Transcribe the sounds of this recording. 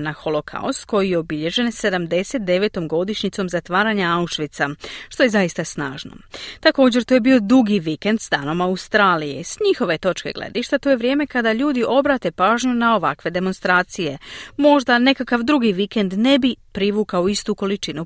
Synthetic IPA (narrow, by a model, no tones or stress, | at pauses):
naxo̞lo̞kʰa̰ust̪̚ko̞jijeobiʎe̞ʒe̞nse̞d̪amd̪e̞se̞t̪̚d̪e̞ʋe̞t̪o̞mɡo̞d̪iʃɲit̪so̞mzat̪ʋaːɾaɲaauʃʋit̪saʃt̪o̞je̞zaist̪asnaːʒno̰t̪ako̞ːd͡ʑe̞ɾt̪uːje̞bio̞d̪uɡiʋike̞nd̪sd̪aːno̞maust̪ɾaːlije̞̰sɲixo̞ʋe̞t̪o̞t͡ʃke̞̰ɡlḛd̪iʃt̪at̪oje̞ʋɾje̞ːme̞kad̪aʎuːd̪iʔo̞bɾaːt̪e̞paːʒɲunao̞ʋa̰kʋe̞d̪e̞mo̞nst̪ɾaːt̪sijemo̞ʒd̪ane̞kakaʋd̪ɾuɡiʋike̞nd̪ne̞bipɾiʋuːkaoist̪uko̞lit͡ʃinu